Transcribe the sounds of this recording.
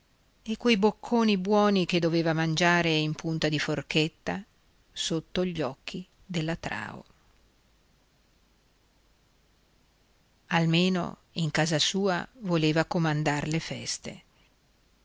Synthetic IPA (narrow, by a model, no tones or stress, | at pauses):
ekːwejbokʰːoːnibwɔːniked̪ːoveːvamand͡ʒaːɾeimpunt̪ad̪iforket̪ːa | sot̪ːoʎːɔkʰːi | d̪elːat̪ɾa̰ːo̰ | almeːno̰ | iŋkaːzasuːa̰voleːvakomand̪arlefɛst̪ḛ